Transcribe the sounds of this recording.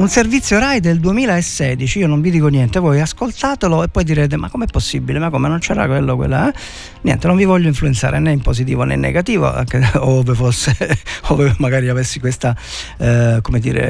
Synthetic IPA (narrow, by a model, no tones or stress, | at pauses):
unservit̪sːjoɾajd̪eld̪uemiːlaesːɛːd̪it͡ʃiiːonoɱvid̪iːkonjɛnt̪evɔjaskolt̪aːt̪eloepːɔjd̪iɾeːt̪̬emakːomeɛpːosːibilemakːomenont͡ʃɛːɾa̰kwelːokwḛlːa̰ɛ | njɛ̰nt̪enoɱvivɔʎːoiɱfluent̪sa̰ːɾeneimposit̪iːvonɛ̰nːḛɡat̪iːvo̰a̰ŋkevefosːeovemaɡaːɾiavesːikwest̪a | komed̪ḭːɾḛ